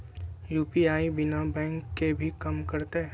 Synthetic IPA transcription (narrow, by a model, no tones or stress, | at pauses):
juːpiaːibɪnabɛ̃ːŋkːebʱikɐmkɐɾt̪eɦ